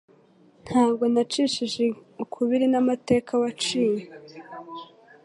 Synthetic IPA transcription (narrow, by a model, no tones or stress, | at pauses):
n̥haːβɡo̞nat͡ʃiʃiʒeukʰuβiɾinamate̞ːkʰawat͡ʃiːje